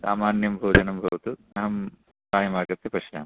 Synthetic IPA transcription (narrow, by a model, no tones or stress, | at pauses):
sa̰ːmaːnjɐmbʱoːd͡ʒɐnɐmbʱɐʋɐt̪u | ɐɦɐm | saːjɐmaːɡɐt̪ːepɐʃja̰ːm